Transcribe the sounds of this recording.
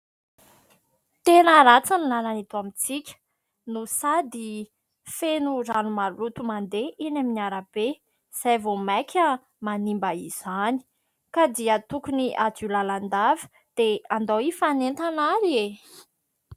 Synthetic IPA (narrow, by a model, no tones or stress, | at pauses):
t̪enəɾat͡sanilalanit̪uamit͡sikʲə̥ | nusad̪i | fenuranumalut̪umand̪eʔenaminaɾəb̥e | z̥ajvomakʰʲə | manimbaiz̥ani̥ | kad̪iət̪ukuniʔad͡ʒulaland̪avə̥ | d̪̥eand̪owifanent̪anaɾie